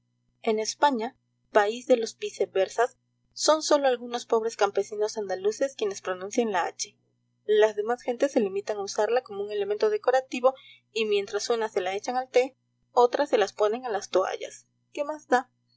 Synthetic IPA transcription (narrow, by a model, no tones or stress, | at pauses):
e̞ne̞spaɲa | paizðe̞lo̞spisebe̞ɾsasː | o̞nso̞lo̞alɣuno̞spo̞β̞ɾe̞skampe̞sino̞sand̪aluse̞skje̞ne̞spɾo̞nũnsjeŋlaa̰t͡ʃe̞̥ | lazðe̞masxe̞nt̪e̞se̞limit̪aŋausaɾlako̞mouŋe̞le̞ment̪o̞ð̞e̞ko̞ɾat̪iβo̞ | imje̞nt̪ɾasunase̞lae̞t͡ʃaŋalt̪e̞ | o̞t̪ɾase̞laspo̞ne̞ŋalast̪oa̰ʝa̰s | ke̞mazd̪a